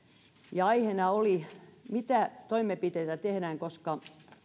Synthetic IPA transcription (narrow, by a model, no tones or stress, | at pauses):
jɑɑihenɑolimit̪æt̪oimːˑepit̪eit̪æt̪ehɾæːŋkoskɑ